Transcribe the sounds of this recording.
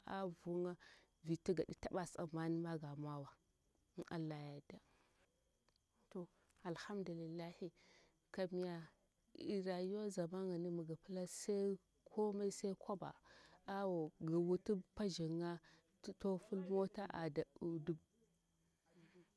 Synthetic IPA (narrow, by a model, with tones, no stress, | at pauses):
a̰˦vu˦ŋa˦ | vi˨ta˦ɡa˨ɗi˦ta˦ɓa˨sa̰˨ma˦ni˦ma˦ɡa˨ma˦wa˨˦ | a̰˨lːa˨ja˨da˦ | to˨ | a˨lha˦mdu˨li˨lːa˦hi˨ | ka˨mi˨˦ja˨ | i˨ɾa˨jo˦za˨ma˦ŋa˨ni˦mu˨ɡa˨pla˦sa˦ | kʰo˦ma˦i˦sa˦i˦kʰo˦ba̰˨a˦wo˨ɡa˨wu˦tu˦pa˦ʒi˨ŋa˦ | to˦fu˦lmo˦ta˦ʔa̰˨da˨u˨du˦b̚